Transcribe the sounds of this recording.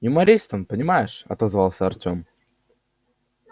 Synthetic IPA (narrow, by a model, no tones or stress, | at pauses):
ɪmɐɾʲejst̪onpənʲɪmajɪʂɐ̰t̪ɐzvalˠsʲəɐrtʲom